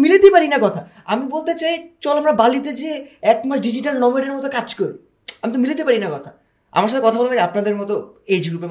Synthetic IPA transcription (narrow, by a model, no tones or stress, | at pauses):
milet̪epaɾinakɔt̪ʰa | amibolt̪et͡ɕajt͡ɕɔlamɾabalit̪ed͡ʑeɛkmaʃɖid͡ʑiʈalnɔmoeɖeɾmɔt̪okad͡ʑkoɾi | amit̪omilet̪̬epaɾinakɔt̪ʰa | a̰maɾʃ̬at̪ʰekɔt̪ʰabolalaɡeapnad̪eɾmɔt̪oed͡ʑɡɾupe